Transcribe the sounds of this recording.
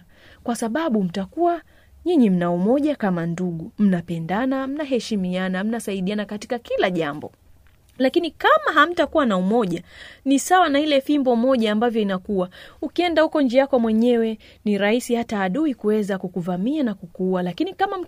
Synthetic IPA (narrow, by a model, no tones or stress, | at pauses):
kwasaɓaɓum̩takuwa | ɲiɲim̩naumɔʄakamanduɠum̩napɛndanam̩naɦɛʃimianam̩nasaiɗianakati̥kakilaʄambɔ̰ | lakinikamaɦam̩takuwanaumɔʄanisawanailɛfimbɔmɔʄaːmbavjɔinakuwaukiɛndahukɔnd͡ʒiakwamwɛɲɛwɛ | niɾaisihataːɗuikuwɛzakukuvamianakukuwalakinikamam̩